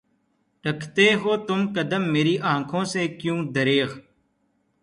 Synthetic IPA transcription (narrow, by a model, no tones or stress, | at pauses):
ʈəkʰt̪eːɦoːt̪ʊmkəd̪əmːeːɾiːʔãːkʰõːseːkjũːd̪əɾeːɣ